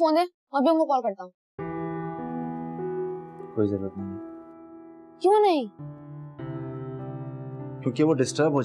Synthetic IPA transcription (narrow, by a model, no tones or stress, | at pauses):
foːnd̪ẽ | mɛ̃bʱiʊnkokɔːlkɐɾt̪aɦũ | koːizɐɾuɾət̪nɐɦĩ | kjũːnɐɦĩ | kjõːkeʋoɖɪsʈəɾbʱɦoː